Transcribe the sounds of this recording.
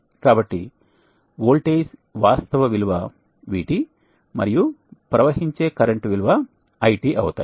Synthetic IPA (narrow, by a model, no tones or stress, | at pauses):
kaːbɐʈːi | ʋoːɭʈeːsʋaːst̪ɐʋɐʋilʋɐ | ʋḭːʈi | mɐ̰ɾijupɾɐʋɐɦiɲt͡ʃe̞ːkɐɾeɳʈʋilʋɐː | jʈiːʔɐ̰wt̪a̰ː